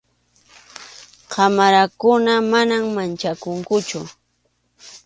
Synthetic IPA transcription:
qʰɑmaɾakʊnamanammant͡ʃakʊŋkʊt͡ʃʊ

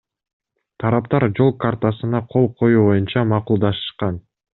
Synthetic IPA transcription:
t̪ʰɑɾɑpt̪ɑɾd͡ʒo̞lˠkart̪asɯnɑqʰo̞lˠqʰo̞juːβo̞junt͡ʃɑmɑqulˠd̪ɑʃɯ̥ʃqɑn

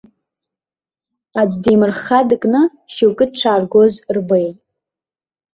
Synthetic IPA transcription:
ad͡zdimɨrχadɨkʼnɨ | ʃiwkʼɨd̚ʈ͡ʂʰaːrɡozrbejtʼ

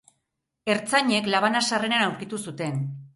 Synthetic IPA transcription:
e̞ɾt͡saɲe̞klaβ̞anasarenanawɾkit̪usut̪e̞n

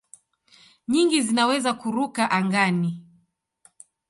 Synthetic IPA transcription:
ɲiŋɡizinawɛzakuɾukaʔaŋɡani

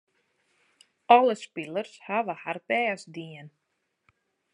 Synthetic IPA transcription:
ɔləspilˠərshaʋəharbɛːsdiən

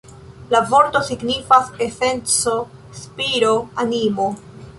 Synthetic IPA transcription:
lavo̞ɾto̞siɡnifase̞se̞nt͡so̞ | spiɾo̞animo̞

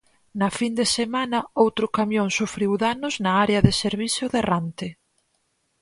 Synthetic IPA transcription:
nɐfind̪esemanɐowt̪ɾʊkamjõŋsufɾiwðanʊznɐaɾeɐðeseɾβiθjʊðerant̪e

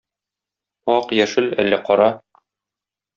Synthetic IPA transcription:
ɒqjæʃɘlæ̰lːæqɒɾɑ

